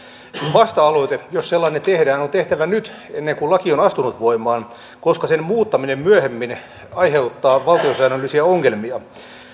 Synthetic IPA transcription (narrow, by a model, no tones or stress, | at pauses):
ʋɑst̪ɑɑloit̪ejosselːɑnːet̪ehdæːnont̪eht̪æʋænyt̪ | enːeŋkullɑkionɑst̪unut̪ʋoimɑːn | koskɑsenmuːt̪ːɑminemmyæhemːin | ɑjheut̪ːɑːʋɑlt̪iosæːnølːisiæoŋːelmiɑ